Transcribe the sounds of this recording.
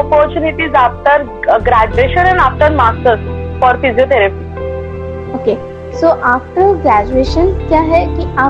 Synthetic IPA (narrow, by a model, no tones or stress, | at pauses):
ɔpɔɾt͡ɕuniʈ̪iːzapt̪əɾ | ɡɾæd͡ʑueɕənɛnaf̚t̪əɾmaɡt̪əsfɔɾfiziot̪eɾepiː | oke | soʔafʈ̪ɾəɡɾæd͡ʑueɕənk̪jaɦekiːa